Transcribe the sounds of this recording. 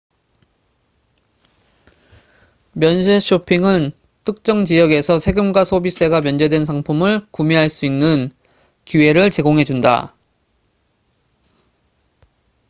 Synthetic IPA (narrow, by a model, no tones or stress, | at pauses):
mjʌns̬ʰeɕʰopʰiŋɯn | tʰɯk̚t͡ɕ͈ʌŋd͡ʑijʌɡe̞sʰʌsʰe̞ɡɯmɡwasʰobis͈ʰe̞ɡamjʌnd͡ʑe̞dwe̞nsʰaŋpʰumɯɭkumiɦaɭs͈uinːɯn | kue̞ɾɯɭt͡ɕe̞ɡoŋɦe̞d͡ʑunda̰